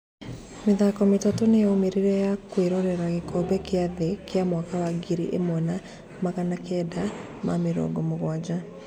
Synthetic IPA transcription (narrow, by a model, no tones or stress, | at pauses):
meðaːkɔmetatonejaomeɾiɾɛjakweɾɔɾɛɾaɣekɔbɛkeaðekeamwakawaɡiɾḭʔḛmwɔna | maɣanakɛda | mameɾɔ̰ɡɔmoɣwad͡ʑa